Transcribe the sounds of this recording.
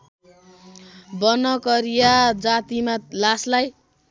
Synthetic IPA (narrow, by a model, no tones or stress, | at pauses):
bʌnʌkʌɾijad͡zat̪imalaslaj